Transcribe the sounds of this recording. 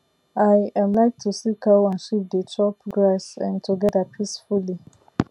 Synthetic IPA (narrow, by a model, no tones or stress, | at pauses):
ajãmlaɪk̚tʰusikʰawãnʃip̚dətʰɔpɡɹasɛ̃ntʰuɡɛdapʰisfuli